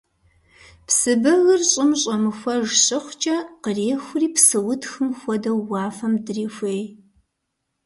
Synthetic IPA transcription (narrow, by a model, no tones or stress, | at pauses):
psɨbɐɣɨrɕʼɪmɕʼɐmɨxʷɔʒɕɪχʷt͡ʃʼɐqəreːxʷʊriːpsɨwʊtxɨmxʷɔdɐwːɑːfɐmdriːxʷeːj